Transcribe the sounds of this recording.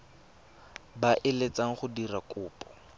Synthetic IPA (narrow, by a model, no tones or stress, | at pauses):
baʔɪlet͡saŋ̩χʊdirakʼʊːpʼɔ̥